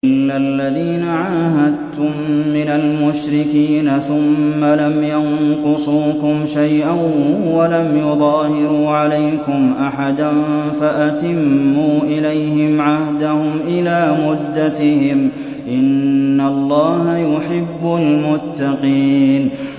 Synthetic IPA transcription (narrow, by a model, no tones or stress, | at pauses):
ɪnːalːaðiːnaʕaːɦad̪̚t̪ʊmːɪnalmʊʃɾɪkiːnaθʊmːalamjaŋqʊsˤuːkʊmʃajʔanwalamjʊðˤɑːhɪɾuːʕalajkʊmʔaħad̪anfaʔat̪ɪmːuːʔɪlajhɪmʕahd̪ahʊmʔɪlaːmʊd̪ːat̪ɪhɪm | ʔɪnːalˤːɑːhajʊħɪbːʊlmʊt̪ːɑqiːn